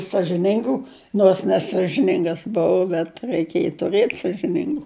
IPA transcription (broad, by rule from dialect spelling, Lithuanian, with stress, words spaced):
sɐʒʲɪˈnʲɪŋɡʊ noːrs nʲɛsɐʒʲɪˈnʲɪŋɡɐs ˈbʊʊ bʲɛt rɐɪˈkʲeːj tʊˈrɘt sɐʒʲɪˈnʲɪŋɡʊ